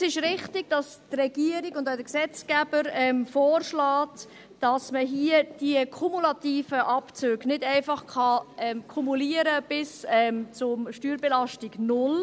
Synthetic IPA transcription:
sɪʃɾɪχtɪɡ̥d̥ɑstrɛɡ̥iəɾɪɡʊndaʊdəksɛt͡skæb̥əɾɛmfɔːrʃlɑːt | d̥ɑsməɦiəd̥iəkʰumulɑtiːfəʔɑpt͡søːɡ̥nɪdæɪfɑχkʰɑɛmkʰumuliəɾəb̥ɪsɛmt͡sʊmʃtyːɾbɛlɑʃtɪɡnʊl

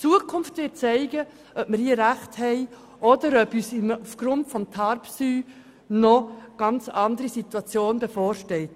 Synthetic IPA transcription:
t͡suəkʰʊmftʋɪːt̚t͡sɛɪɡə | ʔœpmɪɾiːɾæχthɛɪ | ʔɔdəɾœbyːsimufɡ̥ɾʊntfɔmt̪ʰɑɾpsyː | nɔɡ̥ɑnt͡sɑnd̪əɾisitwuɑt͡sjoːndəfɔːɾʃtɛlt

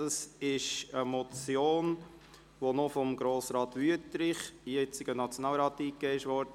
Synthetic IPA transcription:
ɑsɪʃəmɔt͡sjoːn | ʋonofɔmɡɾoːsɾɑːt̪ʋyətɾɪχijɛt͡sɪɡ̥ənɑt͡sjonɑːlɾɑːtiːkeɪʃʋɔːɾdə

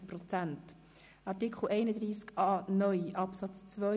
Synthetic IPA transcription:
pɾɔt͡sænt | ɑɾtikχl̩ʔɛɪnəd̪ɾiːskɑːnœʏʔɑpsɑt͡st͡svœ

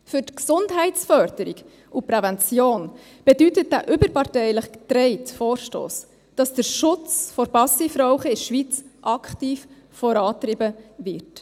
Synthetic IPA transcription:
fʏɾtksʊndɦɛɪsfœɾdəɾik | upɾɛvɛnt͡sjoːn | b̥ɛdytət̚dæʔʏbəɾpɑɾtɛɪləχtɾɛɪtfoːɾʃto̰ːs | d̥ɑsd̥əɾʃʊt͡sfɔɾbɑsifɾɔʊχəɪʃʋit͡sʔɑkχtiːf | fɔɾɑːt̪rɪbəvɪɾt

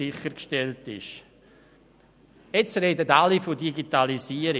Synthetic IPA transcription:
ɪχəɾkʃtɛltɪʃ | et͡sɾedətalifodiɡitalisiːəɾi

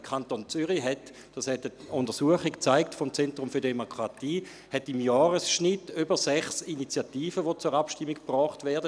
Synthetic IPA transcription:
kʰantont͡syʁiɦɛt | d̥ashɛtəʊndəʁsuəχikt͡saɪktfɔmt͡sɛntʁʊmfyːɐdemokʰʁatiː | hɛtimjɑːʁəsʃnitːybəsɛχsinit͡sjatiːfəʋot͡sʊʁapʃtimːikpʁɔːχtvɛɐdə

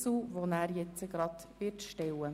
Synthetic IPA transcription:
suːʋonæːɾjɛt͡səɡɾɑd̪ʋɪɾtʃtɛwə

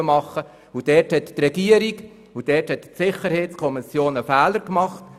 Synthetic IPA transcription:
əmɑχːə | ud̥ɛːthɛtːrɛɡiəɾik | ud̥ɛːthɛttsɪχəɾhɛɪtt͡skʰɔmɪsjoːnəfæːləɾkmɑχt

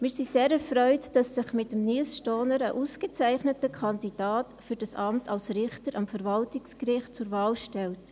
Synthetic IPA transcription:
mɪɾsiseːɾɛɾfɾœʏtd̥ɑsːɪχmɪtəmnilsʃtɔːnəɾəʔuskət͡sæɪχnətəkʰɑndid̥aːtfyɾd̥ɑsɑmtʰɑlsɾɪχtəɾʔɑmfəɾvɑltɪkskrɪχt̚t͡sʊɾvɑːlʃtɛlt

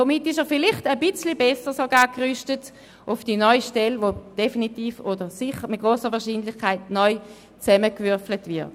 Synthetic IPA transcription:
domitɪʃɛʁfɪlɪχtəbit͡slibɛsəʁsoɡaːkʁyʃtət | ʔufd̥inɔʏʃtɛlʋod̥efinitiːfodəsiχəmit̚ɡ̥ʁoːsəʁʋɛɐʃiːnlɪχkʰaɪt̚nɔʏ | t͡sɛməkvyɐflətvɪɐt

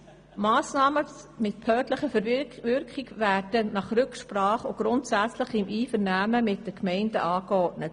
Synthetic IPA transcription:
mɑːsnɑːməmɪt̚pʰœːtləχəfəɾʋʏɾkχɪɡvæːɾd̥ənɑχɾʏkʃpɾɑːχoɡ̥ɾʊntsæt͡sləχɪmʔiːfəɾnæːməmɪt̚dəkmɛɪndəʔɑːkɔtnət

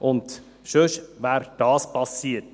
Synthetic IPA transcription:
ʔʊnt̪ | ʃøʃʋæːɾd̥ɑːspʰɑsiːət

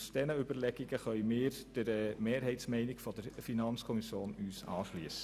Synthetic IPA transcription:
sd̥ɛnəʏbəɾlɛɡ̥iɡəχœʏmɪːɾd̥əɾəmeːɾɦɛɪtsmɛɪnɪɡfɔd̥əɾfinɑnt͡skʰɔmisjoːnyːsɑ̰ːʃlyəsə̥

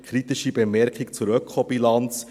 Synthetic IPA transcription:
kʰɾit̪iʃibemɛɾkikt͡suɾœkʰχobilɑnt͡s

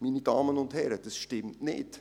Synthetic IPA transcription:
miːnidɑːmənʊndhɛɾəd̥ɑsʃtɪmtnḛːd̥

